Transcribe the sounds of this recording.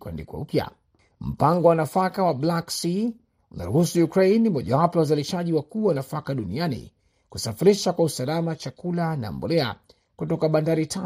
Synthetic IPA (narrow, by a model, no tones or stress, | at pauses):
kwɛ̰ndikwa̰upja̰ | m̩paŋɡɔwanafakawablaksi | una̰ɾuhusujukɾeinimɔʄawapɔjawazaliʃaʄiwakuːwanafakaɗunianḭ | kusafiɾiʃakwausalamat͡ʃakulana̰ːmbɔ̰lɛa̰ | kutɔkaɓandaɾitʰa